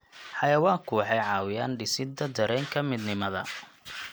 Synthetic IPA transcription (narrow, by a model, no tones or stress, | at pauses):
ħɑjɐwaːŋkʰʊwħɑjʕɑːwɪjaːnɖɪsɪd̪ɐd̪ɐɾɛːŋkʰɐmɪd̪nɪmɐðɐ̰